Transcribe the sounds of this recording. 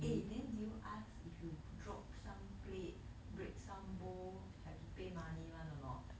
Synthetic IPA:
edɛ̃ndiuʔasifjudɹɔp̚sãmplet̚ | bɹek̚sãmbo | hapupemãnimãnɔnɔt̚

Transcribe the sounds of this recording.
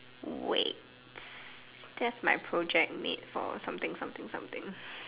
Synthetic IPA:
wḛt | d̥ɛtsmaɪpʰɹod͡ʒɛk̚mḭt̚fɔ̰sãmt̪ɪ̃ŋsãmt̪ɪ̃ŋsã̰mt̪ɪ̃ŋ

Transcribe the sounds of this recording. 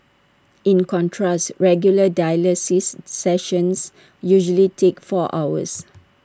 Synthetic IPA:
ĩnkɔ̃ntʰɹastɹɛɡjulədajləsisːɛʃə̃ns | juʒəlitʰekfɔʔa̰ʊwə̰s

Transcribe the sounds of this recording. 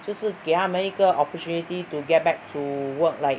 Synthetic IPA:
d͡ʒosikehamə̃nikəʔɔpɔtʰjunit̪ituɡɛt̚bɛk̚tʰuwək̚laɪ

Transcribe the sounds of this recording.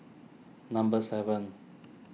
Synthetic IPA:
nɐ̃mbəsɛvə̃n

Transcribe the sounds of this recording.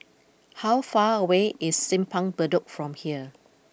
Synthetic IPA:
hawfaəweʔɪsːɪ̃mpʰãŋbəduk̚fɹɔ̃mhiə

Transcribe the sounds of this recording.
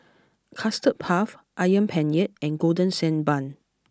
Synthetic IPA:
kʰastət̚pʰaf | ʔajə̃npʰɛ̃njɛt̚ɛ̃nɡodə̃nsɛ̃nbãn

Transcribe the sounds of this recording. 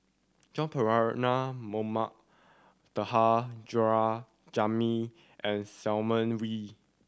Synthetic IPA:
d͡ʒɔ̃npʰəɹaɹnamomaʔ̚ | təhad͡ʒɔɹa | d͡ʒami | ʔɛ̃nsɛlmə̃nwi

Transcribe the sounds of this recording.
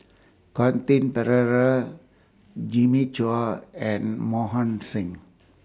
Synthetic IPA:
kɔnt̪inpəɾəɾə | d͡ʒimit͡ʃuaɛ̃nmɔɦɔ̃nsĩŋ

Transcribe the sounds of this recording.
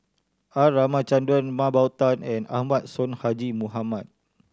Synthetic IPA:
aramãt͡ʃandɔnmãbawt̪anɛna̰hmãt̪̚sɔnhad͡ʒimuɦamat̪̚

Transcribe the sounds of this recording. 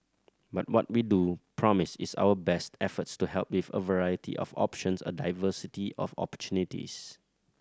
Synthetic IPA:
bat̚wɔt̚widupʰɹɔmɪsɪsa̰wəbɛstʰɛfətstuhɛlˠp̚wivə̰vəɹajətʰḭʔɔ̰fɔ̰pʃə̃nsə̰daɪvəsitiʔɔ̰fɔ̰pə̥tʰunitḭs

